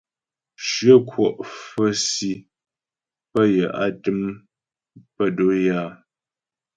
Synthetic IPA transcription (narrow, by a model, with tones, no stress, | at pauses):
ʃɥə˦˨kwɔ˨ʔfə˦si˦ | pə˦jə˨ʔa̰˦tɨ˦m | pə˦do˦jaː˦˨